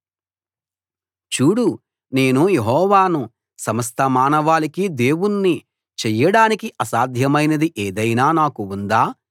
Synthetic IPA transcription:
t͡ʃuːɽu | ne̞ːnujeɦɔːʋaːnu | sɐmɐst̪ʰɐmaːnɐʋaːlikid̪e̞ːwunːi | t͡ʃɛjːɐɽaːnikiʔɐsaːd̪ʱjɐmɐjnɐd̪iʔeːd̪ɐjnaːnaːkuːnd̪aː

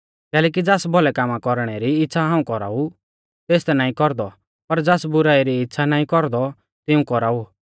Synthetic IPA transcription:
kɛːlɛːk̬id͡zaːsbɔlɛkaːmakɔɾɽ̃ɛɾiɪtːʃʰaɦaːũkɔɾa̰ːu | t̪eːst̪ɛnaːĩkɔɾd̪ɔ | pɐɾd͡zaːsbʊɾaːiɾiɪtːʃʰanaːĩkɔɾd̪ɔ | t̪ɪũkɔɾaːu

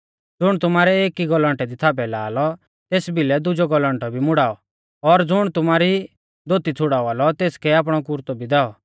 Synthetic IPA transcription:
d͡zʊɽ̃t̪ʊmaːɾɛeːkiɡɔlə̃ɳʈɛd̪it̪ʰaːbɛlaːlɔ | t̪eːsbʱɪlɛd̪ʊd͡ʒɔɡɔlə̃ɳʈɔbʱimʊɽaːɔ | ɔɾd͡zʊɽ̃t̪ʊmaːɾi | d̪ʱoːt̪it͡sʰʊɽaːɔaːlɔt̪eːskɛaːp̬ɽ̃ɔkʊɾt̪ɔbʱid̪ɛːɔ

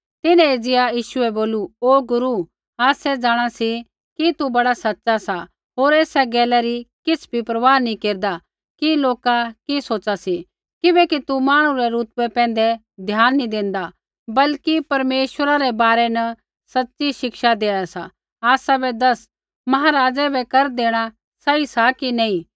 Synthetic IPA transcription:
t̪ɪnɛ̃ed͡zɪjajiːʃʊɛboːluoːɡʊɾu | aːsɛd͡zaːɽ̃asi | kit̪ubɐɽasɐtːʃasa | ɦoːɾeːsɛɡɛːlɛɾikɪt͡sʰbʱipɾɐʋaːnĩkeːɾd̪a | kiloːkakisoːt͡ʃasi | kɪbɛkit̪umaːɽ̃ũɾɛɾuːt̪wɛpɛ̃ːn̆d̪ɛ | d̪ʱjaːnːĩd̪ɪ̃nd̪a | bɐlkipɐɾmeːʃwəɾaɾɛbaːɾɛnɐ | sɐtːt͡ʃiʃɪkʃad̪eːɽ̃asa | aːsabɛd̪ɐs | mɐɦaːɾaːd͡ʒɛbʱɛkɐɾd̪eːɽ̃a | sɐisakinɛ̃ĩ

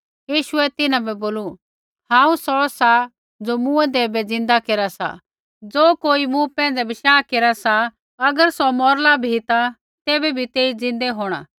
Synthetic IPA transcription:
jiːʃʊɛt̪ɪnãbɛboːlu | hãːũsɔsa | d͡zomũɛd̪eːbɛd͡zɪ̃nd̪akeːɾasa̰ | d͡zoːkoːimũpɛ̃ːn̆d͡zɛbɪʃaːkeːɾasa | ɐɡəɾsɔmɔːɾlabʱit̪a | t̪eːbɛbʱit̪eːid͡zɪ̃nd̪ɛɦoːɽ̃a̰ː

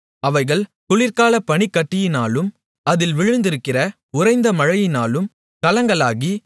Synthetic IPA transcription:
ɐʋɐɪɣɐɭk̪ʊɭɪɾkaːlɐpːɐɳikːɐʈːɪjɪnaːlɯm | ɐðɪlʋɪɻɯnd̪ɪɾɯkːɪrɐ | ʊrɐɪnd̪ɐmɐɻɐjɪnaːlɯm | kɐlɐŋɡɐɭaːɣi

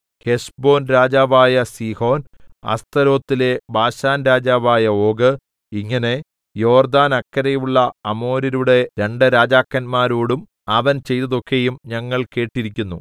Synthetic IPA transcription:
ke̞ʂbo̞ːnɾaːd͡ʑaːʋaːjɐsiːho̞ːnɐ̰st̪ɐɾo̞ːt̪ːile̞bʱaːɕaːnɾaːd͡ʑaːʋaːjɐo̞ːɡɨ | iŋːɐne̞ | jo̞ːrd̪aːnɐkːɐɾejuɭːɐɐmo̞ːɾiɾuɽe̞ɾe̞ɳɖɨɾaːd͡ʑaːkːɐnmaːɾoːɽum | ɐʋɐnt͡ɕe̞jt̪ɐðo̞kːe̞jumɲɐŋːɐɭke̞ːʈːiɾikʲːunːu

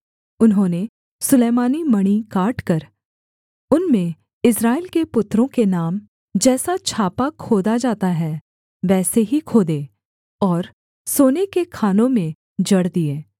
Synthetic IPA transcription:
ʊnɦõːne | sʊleːmaːnimɐɽ̃ikaːʈkɐɾ | ʊnmẽ | ɪsɾaːɪlkepʊt̪ːɾõkenaːm | d͡ʒɛːsat͡ʃʰaːpakʰoːd̪ad͡ʒaːt̪aɦɛː | ʋɛːseɦikʰoːd̪eː | ɔːɾ | soːnekekʰaːnõmẽ | d͡ʒɐɽd̪ieː

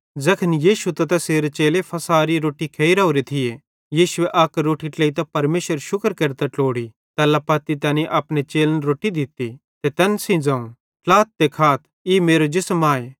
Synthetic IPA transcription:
d͡zɐkʰənjiːʃut̪ɐt̪ɐseːɾet͡ʃeːlepʰɐsaːɾiɾoːʈikʰeːiɾaoɾet̪ʰɪje | jiːʃʊeʔɐkɾoːʈiʈleːit̪ɐpɐɾmeːʃəɾʃʊkəɾkɐɾt̪ɐʈoːɽi | t̪ɐlapɐːt̪it̪ɐːniʔɐpɽ̃et͡ʃeːlnɾoːʈid̪ɪt̪i | t̪et̪ɐnsĩd͡zãːũ | laːt̪̚t̪ekʰaːt̪̚ʰ | imeːɾod͡ʒɪsmaːe

